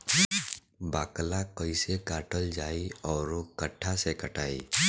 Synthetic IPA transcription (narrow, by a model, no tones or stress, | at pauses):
baːklakəɪsekaːʈəld͡ʒaːiɔːɾokəʈʰːasekəʈaːḭː